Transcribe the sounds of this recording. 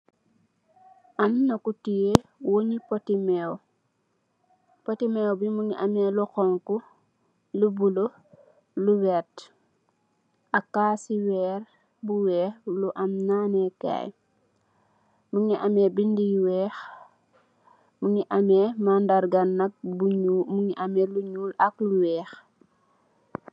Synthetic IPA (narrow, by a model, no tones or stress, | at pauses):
ʔannɐkutijewoɲipotimɛːw | potimɛwbimuŋiʔamɛlukɔŋku | lubulo | luwɛːt | akaːsiwɛːɾ | buwɛːxluʔɐmnaːnɛka̰j | muŋiʔɐmɛbindijwɛːx | muŋiʔɐmɛmandaɾɡɐnːɐk̚bumuŋiʔamɛluɲuːlɐkluwɛːx